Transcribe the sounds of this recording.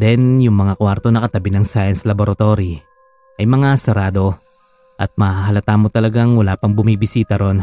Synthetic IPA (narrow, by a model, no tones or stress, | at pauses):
d̪ɛnjʊŋmɐŋakwaɾt̪o̞nɐkɐt̪ɐbɪnɐŋsaːjɐnslɐboɾɐt̪o̞ɾi | ʔɐjmɐŋasɛɾaːd̪o̞ | ʔɐt̪̚mɐaɦɐlɐt̪aːmot̪ɐlɐɡaŋwɐlaːpɐŋbʊmibɪsiːt̪ɐɾo̞n